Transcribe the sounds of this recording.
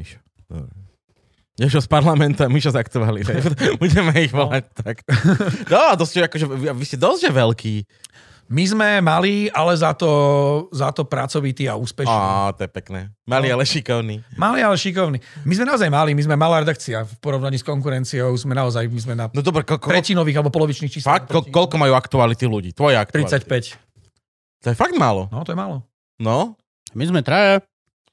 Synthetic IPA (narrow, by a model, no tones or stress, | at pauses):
miʃɔ̥ | ɔ̰bɾɛ | ɟaʃɔspaɾlamɛnt̪uamiʃɔzakt̪ualit̪ɛbuɟɛmɛiɣʋɔlac̚t̪aknɔat̪ɔscɛakɔʒɛaʋiscɛd̪ɔzɟɛʋɛlkiː | mizmɛmaliːalɛzat̪ɔzat̪ɔpɾat͡sɔʋit̪iːa̰uːspɛʃnɔ̰t̪ɔjɛpɛknɛːmalialɛʃikɔʊniːmalialɛʃikɔʊnimizmɛnaɔzajmalimizmɛmalaːɾɛd̪akt͡siafpɔɾɔʊnaɲiːskɔŋkuɾɛnt͡siɔʊzmɛnaɔzajmizmɛnanɔd̪ɔbɾɛkɔlk̪ɾɛcinɔʋiːɣalɛbɔpɔlɔʋit͡ʃniːxt͡ʃiːslakt̪ɔkɔlkɔmajuakt̪ualit̪iluɟḭːt̪ʋɔjɛa̰k̚t̪ɾit͡sːsacpɛc | t̪ɔjɛfaɡd̪malɔ̰nɔt̪ɔjɛmalɔ | nɔ | mizmɛt̪ɾɛɛ